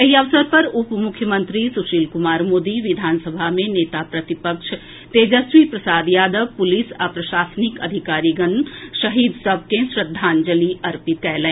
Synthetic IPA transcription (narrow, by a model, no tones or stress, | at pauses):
jeɦiəʋsəɾpɐɾupmukʰjəmənt̪ɾisuʃiːlkumaːɾmoːd̪iʋid̪ʱaːnsəbʱamẽneːt̪apɾət̪ipəkʃʰ | t̪eːd͡ʒəsʋipɾəsaːd̪jaːd̪əʋpulisapɾəʃaːsənikəd̪ʱikaːɾiɡənʃɐɦid̪səb̚ʱkẽsɾəd̪ʱːaːnd͡ʒəliʔɐɾpit̪̚kɛlɛ̃